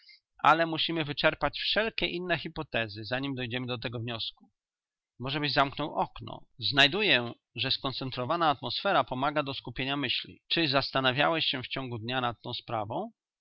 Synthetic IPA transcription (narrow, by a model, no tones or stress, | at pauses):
ʔa̰lɛmuɕimɘvɘt͡ʂɛɾpat͡ɕfʂɛlkʲɛʔinːɛxʲipɔt̪ɛzɘzaɲimd̪ɔjd͡ʑɛmɘd̪ɔt̪ɛɡɔvɲɔsku̥ | mɔʐɛbɘd͡ʑzamknɔ̃wʔɔknɔ̰znajd̪ujɛ | ʐɛskɔnt̪sɛnt̪ɾɔvanaːt̪mɔsfɛɾapɔmaɡad̪ɔskupʲjeɲamɘɕlʲḭt͡ʂɘzast̪anavʲja̰wɛɕɕɛft͡ɕɔ̃ŋɡud̪ɲanat̪̚tːɔ̃w̃spɾa̰vɔ̃w̃